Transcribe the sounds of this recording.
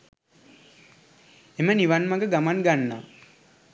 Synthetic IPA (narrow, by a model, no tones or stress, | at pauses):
eməniʋanmaɡəɡamanɡanːaː